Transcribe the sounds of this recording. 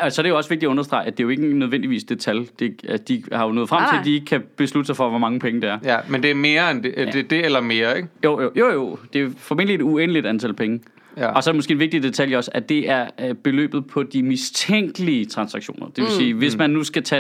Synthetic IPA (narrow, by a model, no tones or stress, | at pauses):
ɒsɒdɾejoɒ̽sʋeɡ̥̚diæɔ̽nɐsd̥ʁɑ̈ɪæd̥e̝ɐjoe̝ɡ̥ənøð̞ˠʋen̰d̥iʋḭːsd̥e̝t͡sʰæljd̥e̝æsd̥ihɑ̈jo̝nɔ̰ːð̩ˠfʁɑ̰mt͡seld̥ie̝ɡ̥əkʰæb̥e̝slud̥əsɑɪfɒ̽ʋɒmɑ̈ŋəpʰeŋəd̥eæɐmend̥e̝æɐme̝ːɐend̥e̥ed̥e̝elɐme̝ːɐeɡ̥jo̰joːjojo̝̰d̥e̝æɐfɒ̽me̝n̰d̥lied̥uenəlid̥ænt͡sʰælpʰeŋə | ɒ̽sɒɐɾemo̽sɡ̥e̝̰ːnʋeɡ̥̚d̥id̥e̝t͡sʰæljɒ̽sæd̥e̝ʔæɐb̥e̝lø̰ːb̥ð̩ˠpʰɒ̽d̥imist͡sʰeŋ̰ɡ̥əliət͡sʰʁɑ̈nsɑ̈ɡ̥ɕo̝̰ːnɐd̥eʋe̝lsiːʋe̝smænːusɡ̥æt͡sʰɛ